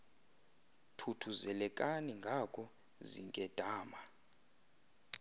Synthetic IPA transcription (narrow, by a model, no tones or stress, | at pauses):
tʰutʰuzɛlɛkʼaniŋɡʱakʰʼɔ | ziŋkʼɛd̥ʱaːma